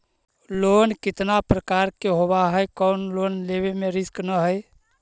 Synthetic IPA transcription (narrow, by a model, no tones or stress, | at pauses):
lonkɪt̪napɾəkaɾkeɦobaɦəjkəʊnlonleβemeɾisknəɦəj